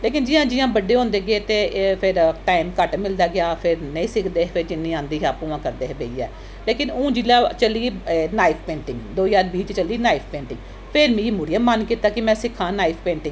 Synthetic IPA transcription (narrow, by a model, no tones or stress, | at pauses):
leːkɪnd͡ʒɪjãːd͡ʒɪjãːbəɖeːɦõːnd̪eːɡɪeːt̪eːpʰɪɾʈaːɪmkəʈmɪld̪aːɡɪaːpʰɪɾnəĩːsɪkʰd̪eːpʰɪɾd͡ʒɪnːĩːãːnd̪iːɦaːpuːãːkəɾd̪eːɦbeːiːɛ̰ː | leːkɪnũːd͡ʒilaːt͡ʃəliːnaːɪipʰpẽːɳʈɪ̃ŋɡd̪oːjaːɾbiːt͡ʃt͡ʃəliːnaːɪpʰpẽːɳʈɪ̃ŋɡ | pʰɪɾmĩːmʊɽijãːmənkiːt̪aːkɪmɛ̃ːsɪkʰãːnaːɪpʰpẽːɳʈɪ̃ŋɡ